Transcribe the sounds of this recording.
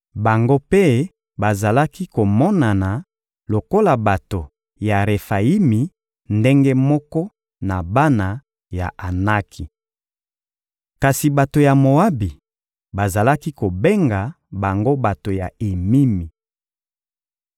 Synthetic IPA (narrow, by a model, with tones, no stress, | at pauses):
ba˨ŋɡo˦pe˦ | ba˨za˨la˦ki˦ko˨mɔ˦na˨na˨ | lo˨ko˦la˨ba˨to˨ | ja˨ʁe˨fa˨i˦mi˨ | nde˦ŋɡe˦mɔ˦kɔ˦ | na˨ba˦na˨ | ja̰˨ʔa˨na˦kʰi˨ | ka˨si˨ba˨to˨ja˨mo˨a˦bi˨ | ba˨za˨la˦ki˦ko˨be˦ŋɡa˨ | ba˨ŋɡo˦ba˨to˨ja˨e˨mi˦mi˨